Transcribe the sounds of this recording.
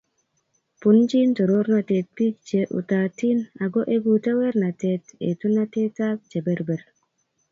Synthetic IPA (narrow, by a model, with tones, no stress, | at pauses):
pu˨nt͡ʃi˦nto˨ɾo˦ɾna˧te˨t̚pi˦k̚t͡ʃe˨ʔṵ˨ta˨ti˦na˨ɡo˦ʔe˦ɡu˨ta˦we˦ɾna˨te˧tḛ˨tu˦na˦te˦ta˦k̚t͡ʃe˨be˨ɾbɛ˨ɾ